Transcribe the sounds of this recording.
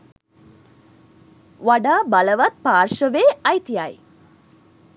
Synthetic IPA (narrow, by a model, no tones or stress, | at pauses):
ʋaɖaːbaləʋat̪̚paːrʃəʋeːɐjt̪ijaj